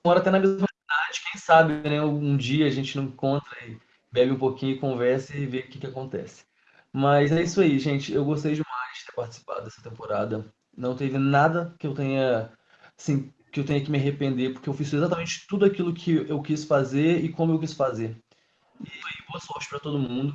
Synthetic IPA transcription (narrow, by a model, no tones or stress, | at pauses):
ɔɾɐat̪ɛnɐmezzmɐd̪ad͡ʒɪkẽj̃sabɪnɛʊũd͡ʒiɐaʒẽnt͡ʃɪnɐ̃w̃kõnt̪ɾɐɪ | bɛbɪũpokĩɲʊɪkõvɛɾsɐveʊkɪkɪakõnt̪ɛ̰sɪ̥ | mɐzɛisʊaiʒẽt͡ʃɪewɡost̪ejd͡ʒɪmajzd͡ʒɪ̥t̪eɾpaɾt͡ʃɪ̥si̥pa̰d̪ʊd̪ɛsɐ̥t̪ẽmpoɾad̪ɐ | nɐ̃w̃t̪evɪnad̪ɐkɪewt̪ẽɲɐ | asĩ | kɪewt̪ẽɲɐkɪmɪaɦepẽnd̪epoɾkeewfisʊezat̪ɐmẽnt͡ʃɪ̥t̪ud̪ʊakilʊkʰɪewkisʊ̥fazeɾɪkõmʊewk̬isʊ̥fazeɾ | ɪfoiboɐsɔɾt͡ʃɪ̥pɾɐt̪od̪ʊmũnd̪ʊ